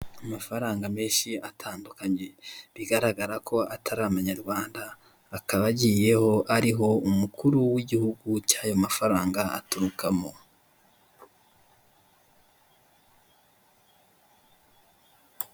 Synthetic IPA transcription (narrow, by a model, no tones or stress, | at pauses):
amafaɾaːŋɡame̞ːnʃiatʰaːndukaɲe̞βiɡaɾaɡaɾakʰo̞ʔatʰaɾaːmaɲaɾɡwaːndaː | kaβaɟije̞ho̞ʔaɾiɦo̞umukʰuɾuwiɟihuɡucaːjo̞mafaɾaːŋɡaa̰tuɾukʰamo̞